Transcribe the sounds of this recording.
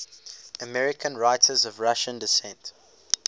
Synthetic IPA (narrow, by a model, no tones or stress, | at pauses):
əmɛɹɪkʰə̃nɹaɪtʰəzɔvɹaʃə̃ndɪsɛ̃nt